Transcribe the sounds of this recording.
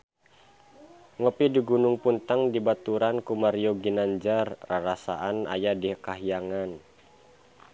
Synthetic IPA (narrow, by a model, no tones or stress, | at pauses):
ŋəpidiɡunuŋpunt̪aŋdibat̪uɾankumaɾioɡinaɲd͡ʒarraɾasa̰ʔana̰jadikaɦijaŋan